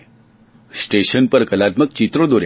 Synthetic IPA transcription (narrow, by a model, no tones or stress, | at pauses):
sʈeʃənpəɾkəlat̪mək̚t͡ɕit̪ɾõd̪oɾ